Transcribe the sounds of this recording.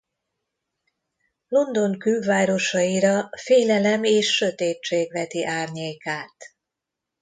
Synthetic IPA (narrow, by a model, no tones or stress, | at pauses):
lo̞nd̪o̞ŋkylvaːɾo̞ʃɒiɾɒfeːlɛlɛmeːʃːøt̪eːt͡ʃeːɡʋɛt̪iʔaːrɲeːkaːt̪